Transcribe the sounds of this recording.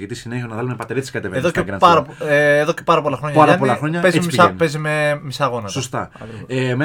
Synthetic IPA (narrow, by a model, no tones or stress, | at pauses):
ʝit̪isineçionɐvðɐlumepɐt̪eɾit̪skɐt̪eveðoeɐpɐɾɐpeːðocepɐɾɐpolɐxɾo̞ɲɐɐɾɐpolɐxɾoɲɐpezimsɐpezimemisɐɣo̞nɐsost̪ɐɐ̰kɾieme